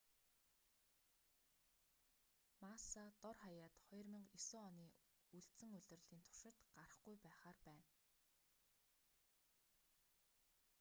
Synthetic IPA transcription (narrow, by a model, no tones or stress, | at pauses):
masat̪ɔrχajaːt̪χɔjrmiːŋɡisʊːɔniː | uɮt͡sɘ̆ŋɵɮʲɵ̆rɮiːnt̪ʰʊ̥rʃɪ̆t̪ɢ̥arə̆χɡujpæːχaːrpæːn